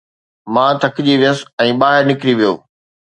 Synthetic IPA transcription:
mãːt̪ʰɐkʰɪd͡ʑiʋijəsɛ̃ːɓaːɦɪɾnɪkɪɾiʋijo̰ː

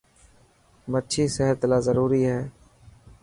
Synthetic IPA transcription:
mət͡ʃʰiːsɛɦəɾt̪laːzəɾuːɾiːɦɛː

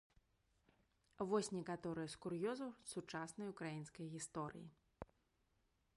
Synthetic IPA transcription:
vɔsʲnʲɛkat̪ɔɾɨjɐskurjɔzɐsut͡ʂasnɐjukɾajinskɐjɣʲist̪ɔɾɨ̰jḭ

